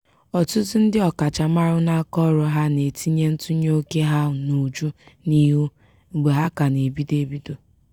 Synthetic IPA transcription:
ɔ˨tʊ˦tʊ˦n̩˦dɪ˦ɔ˨ka˨t͡ʃa˨ma˦ɾʊ˦na˦kɔ˦ɾɔ˨ɦa˦ne˨tʰi˦ɲe˦n̩˦tu˦ɲo˦ke˦ɦa˦˨nu˨d͡ʒu˦ni˦ɦu˦ | ɡ͡be˨ɦa˦ka˨ne˨bi˦de˨bi˦do˨

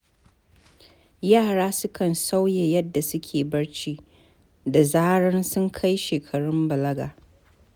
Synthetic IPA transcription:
jaː˦˨ɽaː˦sʊ˦kɐ˨nsa˦wje˨jɐ˦dːa˨sʊ˦kʲʰeː˨bɐ˦ɽt͡ʃiː˦ | da˨zaː˦ɽɐ˦nsʊ˦ŋkʰa˦jʃeː˨kʰɐ˨ɽʊ˦mbɐ˨lɐ˦ɡaː˨

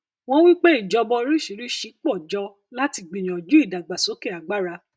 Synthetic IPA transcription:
w̃ɔ̃˦wi˦k͡pe˦i˦˨d͡ʒɔ˧bɔ˧˦ɾi˦ʃi˨˦ɾi˦ʃi˧k͡pɔ˦˨d͡ʒɔ˧ | la˦ti˧ɡ͡bĩ˨j̃ɔ̃˨d͡ʒu˨˦i˦˨da˨ɡ͡ba˨so˨˦kɛ˦˨a˨ɡ͡ba˦ɾa˧

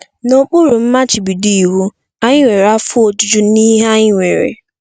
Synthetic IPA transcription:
no˨k͡pʊ˦ɾʊ˨m̩˦ma˦t͡ʃi˨bi˨di˦i˨wu˦ | a˦ɲɪ˦ŋʷe˨ɾa˦fʊ˦o˨tu˦d͡ʒu˦ni˦ɦa˦ɲɪ˦ŋʷe˨ɾḛ˨

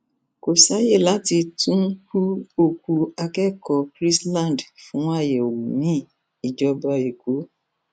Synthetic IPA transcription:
ko˨sa˨˦je˦˨la˨˦ti˧tũ˦ku˦o˧ku˧a˧kɛ˦kɔ˧kɾi˦slã˦˨n˨dfũ˨˦a˦˨jɛ˨o˨wu˨nĩ˨˦ | i˨d͡ʒɔ˧ba˧i˨ɡo˨˦

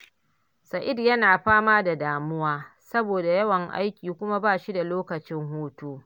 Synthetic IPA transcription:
sa˨ʔɪ˦˨djɐ˦naː˨ɸaː˦maː˦da˨daː˨mʊ˦waː˦sɐ˦boː˨da˨jɐ˦wɐ˨ŋʔa̰˦jkʲiː˨kʷʊ˦ma˦baː˦˨ʃi˦da˨loː˦kɐ˨t͡ʃɪ˦ŋhuː˦tuː˦

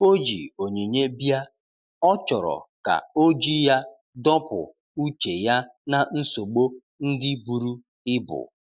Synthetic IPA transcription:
o˦d͡ʒḭ˨o˨ɲe˨ɲe˦bja˦ | ɔ˦t͡ʃɔ˨ɾɔ̰˨ka̰˨o˦d͡ʒi˦ja˦ | dɔ˦pʊ̰˨ | u˦t͡ʃe˨ja˦na˨n̩˦so˨ɡ͡bo˦ | n̩˦dɪ˦bu˨ɾu˦ | ɪ˦bʊ̰˨

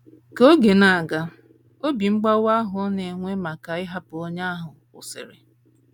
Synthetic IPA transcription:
ko˦ɡe˨na˨a˨ɡa˦ | o˦bi˨ŋ͡m̩˦ɡ͡ba˦wʷa˦ɦʊ˨˦ɔ˦ne˨ŋʷe˦ma˨ka˨ɪ˦ɦa˦pʊ˨o˦ɲa˦a˦ɦʊ˨ | ʊ̰˨sɪ̰˨ɾɪ̰˨

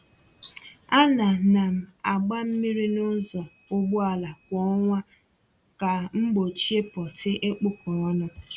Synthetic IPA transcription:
a˦na˨na˨m̩˨a˨ɡ͡ba˦m̩˦mi˦ɾi˦nʊ˦zɔ˨ | ʊ˦ɡ͡bʊ˦a˨la˨kʷɔ˦ŋʷa˦ | ka˨ŋ͡m̩˦ɡ͡bo˨t͡ʃi˦e˦pɔ˨tʰɪ˦ʔe˦k͡po˦kɔ˨ɔ˦nʊ˦

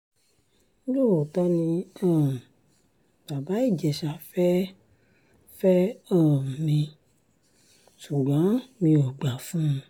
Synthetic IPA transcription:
lo˦˨wo˨tɔ˧nĩ˧ã˦˨ | b̥a˨ba˨˦i˦˨d͡ʒɛ˨ʃa˨˧fɛ˦ | fɛ˦ã˦˨mĩ˧ | su˨ɡ͡bɔ̃˨˦mĩ˧o˨ɡ͡ba˨fũ˦˧

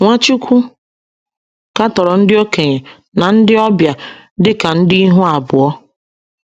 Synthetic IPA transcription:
ŋʷa˦t͡ʃu˦kʷu˦ | ka˦tɔ˨ɾɔ˨n̩˦dɪ˦o˦ke˨ɲe˨ | na˨n̩˦dɪ˦ɔ˦bja˨dɪ˦ka˨n̩˦dɪ˦i˦ɦu˦a˨bʊ˨ɔ˦

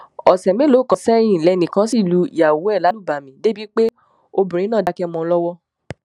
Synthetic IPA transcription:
ɔ˨sɛ˨me˦lo˨˦˨kã˨sɛ˦j̃ĩ˦˨lɛ˨˧nĩ˨kã˧˦si˦˨lu˨˧ḭ˨a˨wu˨˦ɛ˦˨la˨˦lu˦˨ba˨mĩ˨˦de˦bi˦k͡pe˦ | o˧bũ˨ɾĩ˨˦nãː˦˨da˧kɛ˦mɔ̃˧˦lɔ˦wɔ˦

